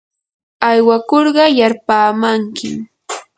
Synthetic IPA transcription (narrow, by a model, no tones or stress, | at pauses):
ajwakoɾɢɑjaɾpaːmaŋkɪ̰